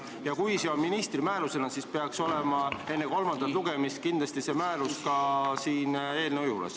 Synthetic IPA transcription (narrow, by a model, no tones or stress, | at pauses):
jɑkujseomːinist̪rimæːɾuse̞nɑsispe̞ɑkso̞lemɑe̞nːeko̞lmɑnd̪ɑt̪luɡ̥e̞mist̪̚kind̪lɑst̪ise̞mæːɾuskɑsiːne̞ːlneojulḛs